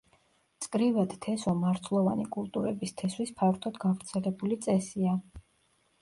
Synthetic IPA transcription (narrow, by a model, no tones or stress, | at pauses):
t̪sʼkʼɾivad̪t̪ʰɛsɔmaɾt̪ʰlˠɔva̰nikʼulˠt̪ʼuɾɛbist̪ʰɛswispʰaɾt̪ʰɔd̪ɡavɾt̪sʰɛlɛbulit̪sʼɛsia